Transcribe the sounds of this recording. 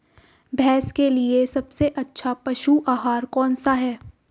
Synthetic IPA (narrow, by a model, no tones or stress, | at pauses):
bʱɛːskeliesɐbseʔɐtːʃʰapɐʃuʔaːɦaːɾkɔ̃ːnsaɦɛː